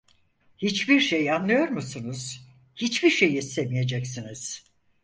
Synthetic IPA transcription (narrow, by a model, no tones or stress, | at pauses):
hit͡ʃbiɾʃejanlˠɯjo̞ɾmusunuz̥ | hit͡ʃbiɾʃe̞jisemije̞d͡ʒɛcsiniz̥